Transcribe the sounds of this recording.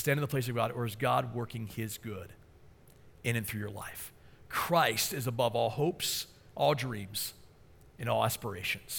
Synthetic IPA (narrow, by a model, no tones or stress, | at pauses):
stæ̃ndɪ̃ŋðəpʰl̥eɪs̬ʌvɡɑɾə˞ɨzɡɑd̚wɜ˞kɪ̃ŋɪzɡʊɾ | ɨ̃nɨ̃nθɹʉjə˞la̰ɪfkʰɹ̥aɪstɨzəbʌvɔlˠhoʊps | ʔɔlˠdɹĩmz̥ | ɨ̃nɔlˠæspə˞eɪʃɨ̃nz̥